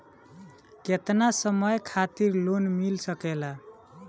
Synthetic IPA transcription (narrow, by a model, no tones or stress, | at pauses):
ket̪nasəməjkʰat̪iɾlonmilsəkɛla